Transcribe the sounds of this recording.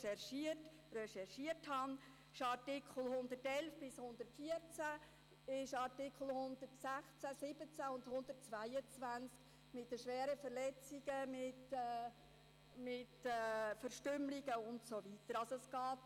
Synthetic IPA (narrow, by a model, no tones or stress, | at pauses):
ʃɛɾʃiət | rɛʃɛɾʃiəthɑn | ɪʃɑɾtɪkʰχl̩hʊnd̪ərtɛlfb̥ɪshʊnd̪ətfiəɾt͡sæ | ɪʃɑɾtɪkχl̩hʊnd̪ətsæχt͡sæsɪbət͡sæʊndhʊnd̪ətt͡sʋæjət͡svænsk | mɪtdəʃʋɛːɾəfəɾlɛt͡siɡəmɪtː | mɪtːfəɾʃtʏmliɡəʊntsovitəɾɑlsoɔɛsɡ̥ɑːt